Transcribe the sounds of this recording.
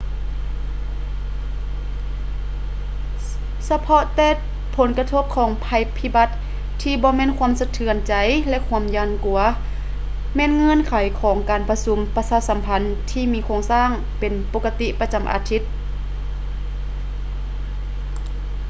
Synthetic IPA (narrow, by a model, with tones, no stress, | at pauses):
sa˧pʰɔ˧˥ʔt̪ɛː˧˩ | pʰo˨˦nka˧t̪ʰo˧˥p̚kʰɔː˨˩˦ŋpʰa˧˩jpʰi˧˥ba˧˦t̪̚ | tʰːiː˧bɔː˧mɛː˧˥˨nkʰu˧˥ə˨msa˧t̪ʰɯ˧˩ənt͡ɕa˨˩jlɛ˧ʔkʰu˧əmjaː˧˩nku˨˩ɐ | mɛː˧˥˨nŋɤ˧˥˨nkʰa˨˩˦jkʰɔː˩˦ŋkaː˨˩npa˧su˧˦mpa˧saː˧˥sa˨˦mpʰa˧˥nt̪ʰiː˧miː˧kʰoː˧ŋsaː˧˥˨ŋ | pe˨npo˧˥kːa˧t̪i˧˥ʔpa˧t͡ɕa˨˩mʔa̰ː˨˦t̪ʰi˧˥t̪̚